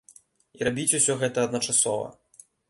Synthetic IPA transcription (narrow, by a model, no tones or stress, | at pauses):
iɾabʲit͡sʲusʲɔɣɛt̪ɐːd̪nɐt͡ʂasɔvɐ̰